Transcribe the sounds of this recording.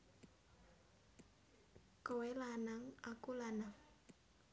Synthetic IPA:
kowelanaŋakulanaŋ

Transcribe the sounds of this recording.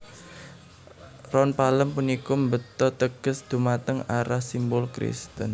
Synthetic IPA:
rɔnpaləmpunikʊmbət̪ɔt̪əɡ̥ə̤sd̪̥ṳmat̪əŋaɾahsimbʊlkɾḭst̪ə̰n

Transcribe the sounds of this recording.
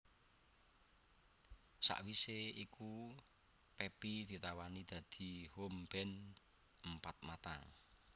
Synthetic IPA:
sa̰ʔwiseiku | pepid̪̥i̤t̪awanid̪̥ä̤d̪̥i̤homb̥ɛn | əmpat̪̚mat̪aŋ

